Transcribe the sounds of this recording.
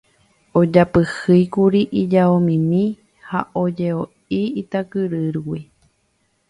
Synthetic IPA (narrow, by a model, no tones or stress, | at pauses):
od͡ʒapɨhɨjkuɾiʔid͡ʒaomĩmĩ | haʔod͡ʒeo | iit̪akɨɾɨɾwi